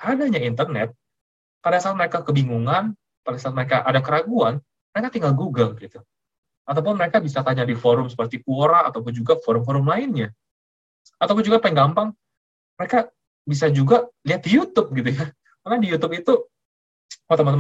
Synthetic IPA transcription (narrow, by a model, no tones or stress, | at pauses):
adaɲaint̪̬ərnɛ̰t̪̚ | padasaaːt̪̚məɾekakəbiŋuŋan | padasat̪̚məɾekaʔadakəɾaɡuan | məɾekat̪iŋɡalɡuɡaŋɡit̪u | at̪awp̬ʊnməɾekabisat̪aɲadifoɾʊmsə̥pərt̪ikuoɾa̰ːt̪awp̬ʊnd͡ʒuɡafoɾʊmfoɾʊmlaɪnɲa | at̪awpʊnd͡ʒuɡapaɪŋɡampaŋ | məɾeka | bis̬ad͡ʒuɡaliat̪̚dijut̪ʊp̚ɡit̪̬uja | marnadijut̪ʊpit̪u | mant̪əmant̪əm